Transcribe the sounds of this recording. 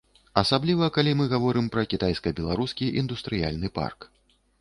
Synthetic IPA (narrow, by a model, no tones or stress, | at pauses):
ɐsablʲivɐkalʲimɨɣavɔɾɨmpɾɐkʲit̪ajskɐbʲɛlˠaɾuskʲiʔḭnd̪ust̪ɾɨja̰lʲnɨpa̰rk